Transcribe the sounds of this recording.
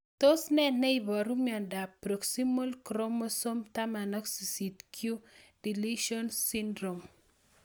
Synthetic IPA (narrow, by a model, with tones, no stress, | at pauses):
to˦snɛ˦nɛ˦ibɔ˨ɾu˦miɔ˨nda˨pɾo˨ksi˦mo˦lkɾo˦mo˦so˦mta˦ma˨nɔ˦ksi˨si˨tkʰju˦di˨liʃɔ˦nsi˦ndɾo˨m